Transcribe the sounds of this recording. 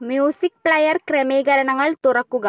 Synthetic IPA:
mjuːsik̚pɭɐjɐɾkɾemeːɡɐɾɐɳɐŋɡɐɭt̪oɾɐkːuɡa

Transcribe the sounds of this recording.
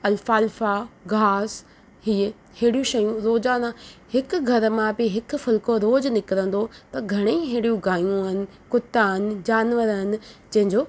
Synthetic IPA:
ɐlfaːlfaɡʱaːs | hiː | heːɽijũʃɐjũɾoːzaːnãhɪkʊ̆ɡʱɐɾmãbɪɦɪkʊ̆fɪlkoɾoːd͡ʑnɪkɪɾə̃nd̪ot̪ɐɡʱɐɽ̃eɦeɦɽijũɡaːjũɪnɪ̆ | kʊt̪ːanɪ̆d͡ʑaːnʋəɾnɪ̆d͡ʑɐ̃ɦɪ̃ɲd͡ʑoː

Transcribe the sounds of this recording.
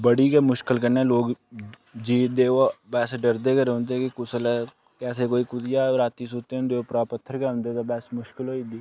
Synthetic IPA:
bəɽiːkɛːmʊʃkɪlkəneːloːɡ | d͡ʒiːd̪eːobɛːsɖəɾd̪eːkəɾɦõnd̪ekɪkʊsəlɛː | kɛːseːkoːiːkʊt̪ɪjaːɾaːt̪iːsoːt̪eːʊ̃nd̪eːoːpɾaːpət̪ʰːəɾkɛːʊ̃nd̪eːt̪abɛːsmʊʃkɪlɦoːiːd̪iː

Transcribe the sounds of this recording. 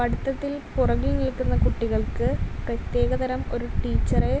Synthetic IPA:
pɐɽit̪ːɐt̪ːilpurɐɣilnilkːunːɐkuʈːiɣɐɭkɨprɐt̪je̞ːɣɐðɐɾɐmo̞̰ɾuʈiːt͡ɕːɐre

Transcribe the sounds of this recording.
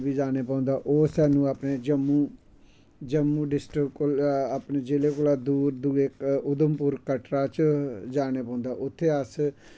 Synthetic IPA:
biːd͡ʒaːneːpɔ̃ːnd̪aːʔoːsɛːnũːaːpneːd͡ʒəmːũː | d͡ʒəmũːɖɪsʈɾɪkːoaːpneːd͡ʒeːleːkoːlaːd̪uːɾd̪uːekʊd̪əmpʊɾkəʈɾaːt͡ʃd͡ʒaːneːpɔ̃ːʊ̃ːnd̪aːʔʊt̪ʰːeːəs

